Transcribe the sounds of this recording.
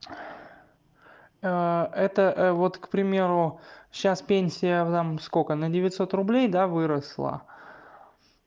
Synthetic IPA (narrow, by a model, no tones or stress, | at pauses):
əɛt̪əʔvo̞t̪kpɾʲɪmʲe̞ɾʊɕaspʲenʲsʲɪjət̪amskokənədʲɪvʲɪt̪ʲso̞t̪rʊblʲejd̪avɨɾəslˠə̰